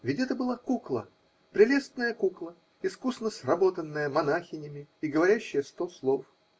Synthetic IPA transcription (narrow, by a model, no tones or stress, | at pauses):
vʲɪtʲɛt̪əbɨlˠakuklˠə̰ | pɾʲɪlʲest̪nəjəkuklˠə | ɪskusnəsrɐbo̞t̪ənːəjəmɐnaxʲɪnʲɪmʲɪɪɡəvɐɾʲæɕːɪjəst̪oslˠof